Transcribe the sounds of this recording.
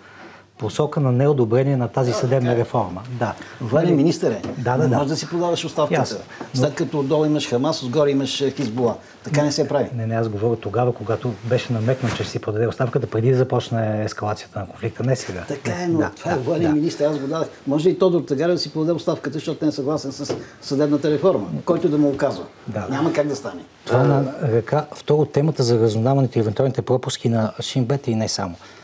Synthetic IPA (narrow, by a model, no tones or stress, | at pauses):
posɔkənɐnɛod̪obɾɛniɛnɐt̪azisɐd̪ɛbnəɾɛfɔɾməd̪avəlʲiminist̪əɾɛd̪ad̪amɔʒɛd̪ɐsipɾod̪adəʃʊt̪st̪afkət̪əsslɛt̪̚kɐt̪ɔd̪ɔlˠimɐʃxɐmasozɡɔɾimɐʃxizbulˠa | t̪ɐkkanɛsɛpɾavinɛnɛazɡovɔɾəxt̪oɡavəkoɡat̪obɛʃɛnɐmɛk̪nət͡ʃɛsipɾod̪ɐd̪ɛʊtst̪afkət̪əpɾɛd̪id̪ɐzɐpɔt͡ʃnɛːskɐlˠat̪siət̪ənɐkonflik̚t̪ənɛsɛɡat̪ɐkaɛnot̪ovaɛbɔnʲiminist̪əɾazɡod̪ad̪əxmɔʒɛit̪ɔd̪oɾt̪ɐɡaɾɛd̪ɐsipɾʊd̪ɐd̪ɛot̪st̪afkət̪əʃt̪ɔt̪onɛɛsɐɡlˠasɛnsɐsː | ɐd̪ɛbnət̪əɾɛfɔɾməkɔjt̪ʊd̪ɐmiokazvə | d̪aɲʲaməkaɡ̚d̪ɐst̪anɛ | t̪ovanɐɾɐkaft̪ɔɾot̪ɛmət̪əzɐɾɐzʊnavɐnɛt̪ʊiɛvɛnt̪ualˠnit̪ɛpɾɔpʊsk̟inɐʃimbɛt̪inɛsa̰mo